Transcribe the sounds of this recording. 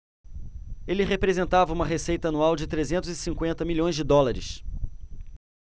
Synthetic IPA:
elɪɦepɾezẽnt̪avɐũmɐɦesejt̪ɐanuawd͡ʒɪt̪ɾezẽnt̪ʊzɪsĩŋkwẽnt̪ɐmiʎõj̃zd͡ʒɪd̪ɔlaɾɪ̰ʃ

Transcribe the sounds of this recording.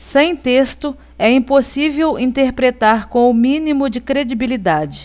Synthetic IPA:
sẽj̃t̪est̪ʊ | ɛĩposivewĩt̪eɾpɾet̪aɾkõw̃ʊmĩnimʊd͡ʒɪkɾed͡ʒibilid̪ad͡ʒɪ

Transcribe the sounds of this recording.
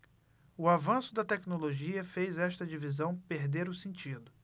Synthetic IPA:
ʊavɐ̃sʊd̪ɐt̪ɛknoloʒiɐfejzɛʃt̪ɐd͡ʒivizɐ̃w̃peɾd̪eɾʊsẽnt͡ʃid̪ʊ

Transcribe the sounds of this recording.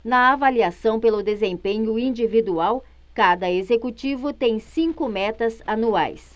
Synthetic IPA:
nɐavaliasɐ̃w̃pelʊd̪ezẽpẽɲʊĩd͡ʒivid̪uaw | kad̪ɐezekut͡ʃivʊt̪ẽj̃sĩŋkʊmɛt̪ɐzanua̰js

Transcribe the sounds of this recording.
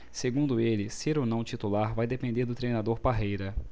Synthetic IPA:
seɡũd̪ʊelɪseɾonɐ̃w̃t͡ʃit̪ulaɾvajd̪epẽnd̪eɾd̪ʊt̪ɾejnad̪oɾpaɦejɾɐ

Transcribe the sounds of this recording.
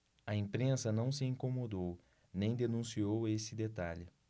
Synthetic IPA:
ɐẽpɾẽsɐnɐ̃w̃sɪẽŋkomod̪ow | nẽj̃d̪enũsiowesɪd̪et̪aʎɪ

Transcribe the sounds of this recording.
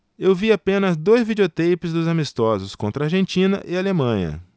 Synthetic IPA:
ewviapẽnɐzd̪ojzvid͡ʒeot̪ejpɪzd̪ʊzamist̪ɔzʊskõnt̪ɾɐaɾʒẽnt͡ʃĩnɐ̰ʔɪalemɐ̃ɲɐ̰

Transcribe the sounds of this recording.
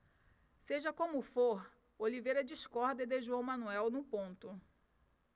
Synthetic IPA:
seʒɐkõmʊfoɾ | olivejɾɐd͡ʒiskɔɾd̪ɐɪd̪eʒoɐwmɐ̃nuɛwnũpõnt̪ʊ

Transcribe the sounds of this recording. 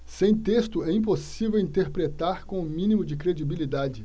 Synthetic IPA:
sẽj̃t̪est̪ʊɛĩp̬osivewĩnt̪eɾpɾet̪aɾkõʊmĩnimʊd͡ʒɪkɾed͡ʒibilid̪ad͡ʒɪ

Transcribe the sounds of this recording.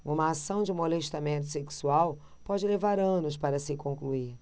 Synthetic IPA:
ũmɐːsɐ̃w̃d͡ʒɪmoleʃt̪amẽnt̪ʊseksuaw | pɔd͡ʒɪlevaɾɐ̃nʊspaɾɐsɪkõŋklui

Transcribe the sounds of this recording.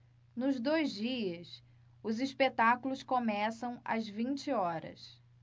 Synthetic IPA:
nʊzd̪ojzd͡ʒiɐs | ʊziʃpet̪akulʊskomɛsɐ̃w̃ɐ̰zvĩnt͡ʃɪɔɾɐ̰s

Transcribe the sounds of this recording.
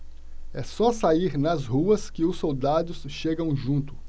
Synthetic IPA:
ɛsɔsaiɾnɐzhuɐskɪʊsːowd̪ad̪ʊsʃeɡɐ̃w̃ʒũnt̪ʊ̥

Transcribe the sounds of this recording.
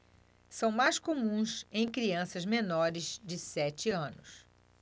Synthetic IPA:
sɐ̃w̃majskomũsẽj̃kɾiɐ̃sɐzmenɔɾɪzd͡ʒɪsɛt͡ʃɪɐ̃nʊs

